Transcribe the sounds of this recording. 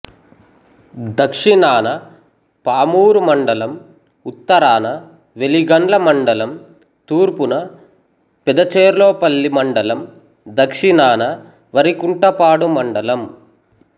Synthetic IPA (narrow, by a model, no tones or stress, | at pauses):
d̪ɐkʂinaːnɐ | paːmuːɾumɐɳɖɐlɐm | ut̪ːɐɾaːnɐ | ʋeliɡɐɳlɐmɐɳɖɐlɐm | t̪uːɾpunɐ | pɛd̪ɐt͡ʃeːɾloːpɐlːimɐɳɖɐlɐm | d̪ɐkʂinaːnɐ | ʋɐɾikuɳʈɐpaːɽumɐɳɖɐlɐm